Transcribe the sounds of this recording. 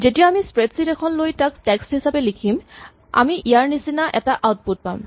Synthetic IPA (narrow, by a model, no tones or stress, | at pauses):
zetijaamispɹetsitɛkʰɔnlojtakstɛkstɦisapelikʰim | a̰miʔijaɹnisinaʔɛtaʔawt̚put̚pa̰m